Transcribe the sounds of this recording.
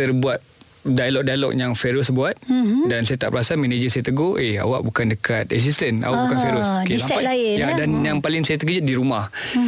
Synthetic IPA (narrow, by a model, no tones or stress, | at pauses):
t̪ərbuat̪̚ | dajalɔk̚dajalɔ̰k̚jaŋfeɾʊsbuat̪̚dansajat̪a̰ʔpəɾasamened͡ʒəsajat̪əɡoʔea̰wa̰ʔbukandəkʰat̪̚ɛ̰s̬ist̪əna̰waʔukanfeɾʊskeisaaalajadanjaŋpalɪŋsajat̪əkəd͡ʒʊt̪̚diɾumah